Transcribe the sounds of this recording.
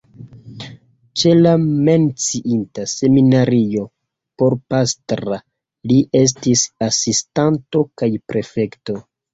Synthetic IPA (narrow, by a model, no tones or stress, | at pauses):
t͡ʃe̞lame̞nt͡siʔintase̞minaɾio̞ | po̞ɾpastɾa | liʔe̞s̬tisasistanto̞kajpɾʔe̞fe̞kto̞